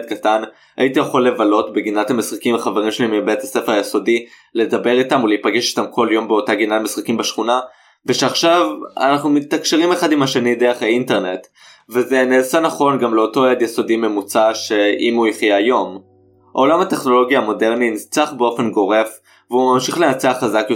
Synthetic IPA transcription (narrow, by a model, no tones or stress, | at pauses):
t̚katan | a̰itijeχolːevalo̞tbeɡinathamisχakimeχaveʁ̞imʃelimibetasefeʁajeso̞di | le̞dabe̞ʁitamuleipaɡeʃi̥tamkʰo̞ljo̞mbeo̞taɡinatmesχakimbeʃχuna | veʃeaχʃava̰naχnumit̪akʃeʁimeχadimhaʃenid̪eʁeχeinte̞ʁne̞t | veze̞neːsanaχo̞nɡamle̞o̞to̞ed̪jeso̞dime̞mut͡saʃe̞imuiχjejo̞m | ʔo̞lamhate̞χno̞lo̞ɡjamo̞de̞ʁninit͡saχbeo̞fe̞nɡo̞ʁe̞f | veumamʃiχle̞nat͡seaχazakjo